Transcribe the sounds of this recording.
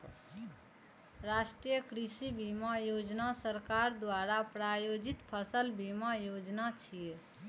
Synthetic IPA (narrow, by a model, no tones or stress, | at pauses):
ɾasʈɾijəkɾisibimajod͡ʒnasəɾkaɾd̪waɾapɾajod͡ʒit̪pʰəsəlbimajod͡ʒnat͡ʃʰije